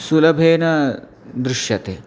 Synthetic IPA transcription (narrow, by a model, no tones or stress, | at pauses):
sulɐbʱeːnɐ | d̪ɾuʃjɐt̪eː